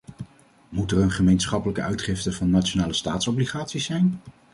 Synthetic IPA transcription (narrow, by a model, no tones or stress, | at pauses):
mutərənχəmejnsχɑpələkəœɥtχɪftəvɑnːaːt͡ʃonaːləstaːtsɔbliχaːtsizɛjn